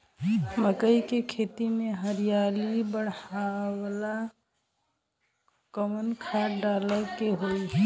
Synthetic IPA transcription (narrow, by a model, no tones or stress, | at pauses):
məkəikekʰet̪imeɦəɾijalibəɽ̤awla | kɔmənkʰaɖaləkeɦoi